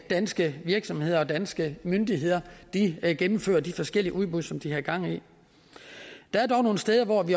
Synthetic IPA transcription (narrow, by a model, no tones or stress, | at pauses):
d̥ænsɡ̥əʋiɐɡ̥sɒ̽mhe̝ð̞̰ˠɐɒ̽d̥ænsɡ̥əmønd̥iɦe̝ð̞̰ˠɐd̥iɡ̥emm̩fø̰ːɐd̥ifɒ̽sɡ̥el̰iəʔuðˠb̥uðˠsɒ̽md̥ihɑ̈iɡ̥ɑ̈ŋ̰i | d̥ɑ̈æɐd̥ɒʊno̝ːn̩sd̥eːð̞ˠɐʋɒʋi